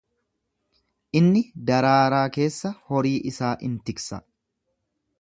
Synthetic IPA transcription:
ʔɪnːɪd̪ɐɾaːɾaːke̞ːsːɐhɔɾiːʔɪsaːʔɪnt̪ɪksɐ̰

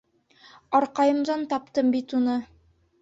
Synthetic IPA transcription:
ɑɾqɑjɤ̆md̪ɑnt̪ɑp̚t̪ɤmbit̪unɤ

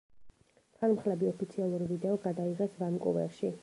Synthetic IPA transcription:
t̪ʰanmχlɛbiɔpʰit̪sʰialˠuɾivid̪ɛɔɡad̪aiʁɛsvamkʼṵvɛ̰ɾʃi

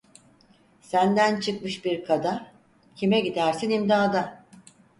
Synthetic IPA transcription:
sænd̪ænt͡ʃʰɯkmɯʃbiɾkʰad̪a | cʰimɛɟid̪æɾsinimd̪aːd̪a

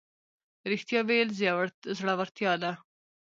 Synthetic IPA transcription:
ɾɪxt̪jɑʋejlzjɑwaɾt̪zɽawaɾt̪jɑd̪a

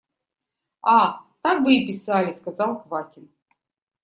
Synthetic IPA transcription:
at̪ak̚bɨipʲisalʲiskazalˠxvakʲʰɪn

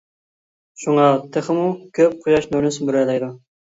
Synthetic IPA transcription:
ʃuŋɑt̪ʰəχəmukʲʰøp̚qʰʊjɑʃnøɾnɪsɪnbyɾɛlˠɛjd̪u

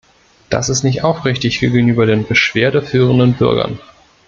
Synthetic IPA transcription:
d̥a̰sɪstnɪçtʔaʊfʁɪçtɪçɡ̥eːɡŋ̩ʔyːbɐdeːnbəʃv̥eːɐdəfyːʁ̞əndənbʏɐɡɐ̰n

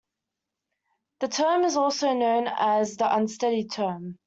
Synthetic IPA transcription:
ðətʰɜːmɪzɔˑlˠsəʊnõʊ̃nəzðiʔʌ̃nstɛɾitʰɜːm

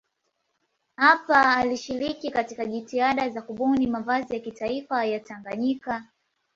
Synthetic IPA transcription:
hapaːliʃiɾikikatikaʄitiaɗazakuɓɔnimavazijakitaifajataŋɡaɲika

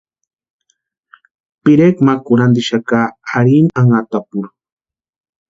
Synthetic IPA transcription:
piɾekmakuɾand̪iʃakaːɾinaŋat̪apuɾ

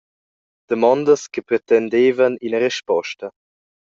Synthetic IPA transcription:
d̪̥əmɔnd̪əskəpɾet̪ɛnd̪eːvəninəɾeʃpɔʃtɐ

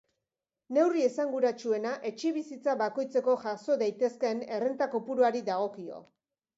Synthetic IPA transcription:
ne̞wrie̞saŋɡuɾat͡ʃue̞naʔe̞t͡ʃiβ̞isit͡saβako̞jt͡se̞ko̞ʝaso̞ðajt̪e̞ske̞ne̞rent̪ako̞puɾuaɾiðaɣ̞o̞kio̞̰

